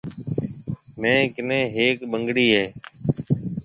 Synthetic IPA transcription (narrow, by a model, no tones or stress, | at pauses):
mɛ̃ːkɪnẽːɦeːkɓəŋɡɽiːɦeː